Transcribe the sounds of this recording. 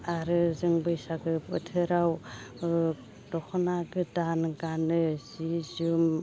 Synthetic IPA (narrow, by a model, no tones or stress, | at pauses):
aɾɯzɯŋbɯjsaɡɯpɯtʰɯɾaw | dɔkʰɔnaɡɯdanɡanɯzizɯm